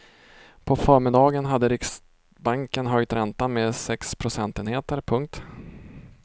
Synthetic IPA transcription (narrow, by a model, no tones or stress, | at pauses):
pʰɔfœːɾmɪd̪ɑːɡənɦad̪ːəɾɪks | baŋkənɦœjt̪ɾɛnt̪ameːsɛkspʰɾʊsɛnt̪eːnheːt̪əɾpʰɵŋk̚t̪